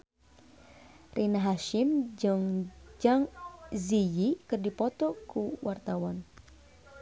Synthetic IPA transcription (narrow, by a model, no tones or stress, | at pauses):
rʔinaɦaʃɪmd͡ʒŋd͡ʒaŋzijikərdipɔt̪ɔkuwart̪awɔn